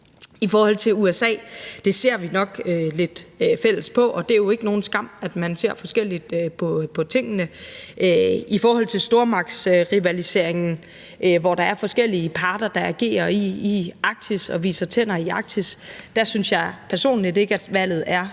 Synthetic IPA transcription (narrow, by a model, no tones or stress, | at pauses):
ifɒːhɒ̽l̰t͡sʰe̝luesɛ̰ːd̥e̝se̝̰ɐ̰ʋinɒ̽ɡ̥øle̝d̥fel̰əspʰɒ̽ʔɒ̽d̥e̝æɐjo̝e̝ɡ̥əno̝ːn̩sɡ̥ɑ̈m̰æd̥mænse̝ɐ̰fɒ̽sɡ̥el̰id̥̚øpʰɒ̽pʰɒ̽t͡sʰe̝ŋ̰ənə | ifɒːhɒ̽l̰t͡sʰe̝lsd̥o̝ːɐmɑ̈ɡ̥sʁiʋælise̝ɐ̰eŋn̩ | ʔʋɒd̥ɑ̈æɐfɒ̽sɡ̥el̰iəpʰɑ̈ːd̥ɐd̥ɑ̈æɡ̥e̝̰ːɐiːɑ̈ɡ̥̚t͡sʰisɒ̽ʋḭːsɐt͡sʰen̰ɐiɑ̈ɡ̥t͡sʰisd̥æsynsjɑ̈ɪpʰæɐso̝̰ːnlid̥e̝ɡ̥əæd̥ʋæl̰ð̞̩ˠæɐ